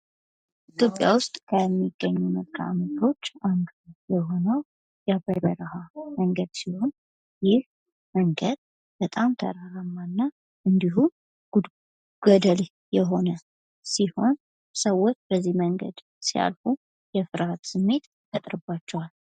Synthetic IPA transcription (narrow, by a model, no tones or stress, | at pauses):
it̪ʰjo̞pʼːja̰wʊst̪ʼkʰəɛmːiɡːəɲːuməkʼːa̰mət̪ʰo̞t͡ʃːʔaŋɡjɛho̞nəw | jabəɾəɾəhaməŋɡəd̪siho̞n | jɪh | məŋɡəd̪ | b̥ət̪ʼamt̪ʰə̰ɾaɾamːanːa | ʔɨnd̪iɦum | ɡ̥əd̪əl | jɛɦo̞nə | siho̞n | səwːo̞t͡ʃːbəzːihməŋɡə̰d̪ | sija̰lfu | jɛfɨɾhat̪sɨmːe̞t̪ | fət̪ʼɾɨbat͡ʃːɛwal